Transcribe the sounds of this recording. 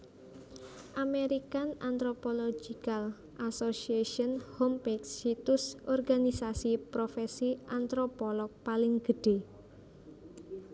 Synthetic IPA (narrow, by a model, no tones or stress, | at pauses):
ʔameɾikanant̪ɾopɔlod͡ʒikal | ʔasosiaʃɔnhɔmpeksːit̪ʊsʔɔrɡanisasipɾofɛsiʔant̪ɾopɔlɔk̚palɪŋɡ̥əɖ̥e̤